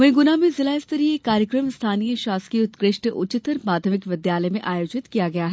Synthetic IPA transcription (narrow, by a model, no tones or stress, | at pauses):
ʋɐ̃ɦɡʊnamẽzɪlaːɪst̪əɾiekːaːɾjəkɾəmst̪ʰaːnijəʃaːskiʊt̪kɾɪʃʈʔʊ̰t͡ʃɪt̪əɾmaːd̪ʱjəmɪkʋɪd̪jaːləmẽʔaːjoːd͡ʒɪt̪kijaɡɐjaɦɛ